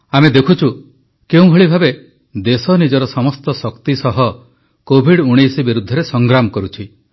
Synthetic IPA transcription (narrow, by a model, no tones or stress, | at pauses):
amed̪ekʰut͡ʃʰu | keũɦeɭibʱabe | d̪esɔnid͡ʒɔɾɔsɔmɔst̪ɔsɔkt̪isɔɦɔ | kobʱiɽuɽ̃ejsibiɾud̪ʱːɔɾesɔŋɡɾamɔkɔɾut͡ʃʰi